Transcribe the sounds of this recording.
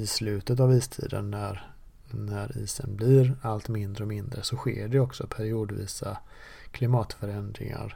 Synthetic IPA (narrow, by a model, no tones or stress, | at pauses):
ɪslʉ̟ːt̪ət̪aviːst̪ʰḭːd̪ə̰nːæɾ | næɾiːsə̰nblɪɾalt̪mɪnd̪ɾəɔmɪnd̪ɾəsɔɧḛːɖɛɔksɔpʰæɾɪuːd̪vḭːsa | kʰlɪmɑːt̪fœɾɛnd̪ɾɪ̰ŋa̰ɾ